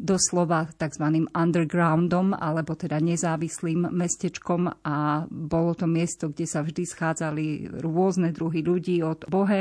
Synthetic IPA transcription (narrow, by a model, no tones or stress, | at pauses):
d̪ɔslɔʋat̪aɡzʋaniːmand̪ɛɾɡɾaʊnd̪ɔma̰lɛbɔt̪ɛd̪aɲɛzaːʋisliːmːɛscɛt͡ʃkɔmabɔlɔt̪ɔmɪɛst̪ɔɡɟɛsavʒd̪isxaːd͡zaliɾʊɔznɛd̪ɾuɦiʎuɟiːɔd̪̥bɔɦɛ